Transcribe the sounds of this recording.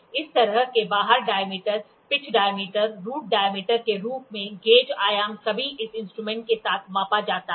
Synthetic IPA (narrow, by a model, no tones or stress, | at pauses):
ɪst̪ɐɾəɦkebaːɦəɾɖaːjəmiːʈəɾ | pɪt͡ʃʰɖaːjəmiːʈəɾːuːʈ̚ɖaːjəmiːʈəɾkeɾuːp̚ʰmẽɡeːd͡ʒaːjaːmsɐbʱiʔɪsɪ̃nsʈɾuːmɛ̃ːɳʈ̚kesaːt̪ʰmãːpad͡ʒaːt̪a